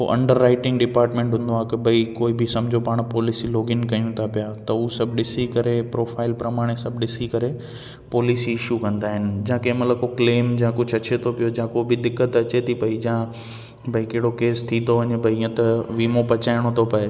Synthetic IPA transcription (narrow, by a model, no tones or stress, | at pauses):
o̰ʔɐ̰̃ɳɖəɾːaːɪʈɪ̃ŋɡɖɪpaːɾʈmẽːɳʈɦʊ̃n̆d̪oaːkɐbʱɐikoːibʱɪsɐmd͡ʑʱopaːɽ̃pɔːlisiloːɡɪnkɐijũt̪ʰapijat̪ɐusɐbʱɗɪsikɐɾepɾoːfʰaːɪlpɾɐmaːɽ̃esɐbʱɗɪsikɐɾe | pɔːlisiɪʃukɐ̃nd̪aːɦɪnɪ̆d͡ʑãkɐ̃mɐt̪ləbkokleːmd͡ʑãkʊd͡ʑʱɐt͡ɕet̪ʰopijod͡ʑãkobɪd̪ɪkːət̪ɐt͡ɕet̪ʰipɐid͡ʑã | bʱɐikɐɦɪɽokeːst̪ʰĩt̪oʋɐɲbʱɐiːə̃t̪ɐʋiːmopɐt͡ɕaːɪɽ̃ot̪ʰopɐe